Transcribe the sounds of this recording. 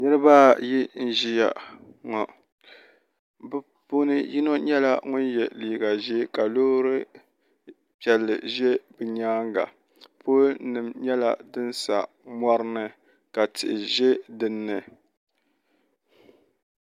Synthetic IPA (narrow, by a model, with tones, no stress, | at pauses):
nɨ˦ɾɨ˦baː˦ji˦n̩˦ʒi˦ja̰˨ŋɔ˨ | bɨ˦ | pu˦nɨ˦ji˦no˦ɲɛ˦la˦ŋʊ˦njɛ˨liː˨ɡa˨ʒɛ˦ka˨loː˦ɾɨ˦ | pjɛ˨lːɨ̰˨ʒɛ˦bɨ˨ɲaː˦ŋɡa̰˨ | po˦nɨ˨mɲɛ˦la˦dɨ˦nsa̰˨ | ma˦ɾɨ˦nɨ˨ | ka˨tʰɪ̰˨ʔɪ˨ʒɛ˦dɨ˦nːɨ˨